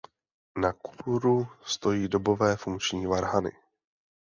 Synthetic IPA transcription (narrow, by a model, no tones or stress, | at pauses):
naku̥puɾust̪o̞jiːdo̞bo̞vɛːfuŋkt͡ʃɲiːvaɾɦanɪ̰